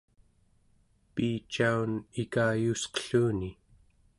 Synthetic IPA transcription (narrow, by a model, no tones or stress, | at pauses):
piːt͡ʃaunikaːjusqə̥ɬuːni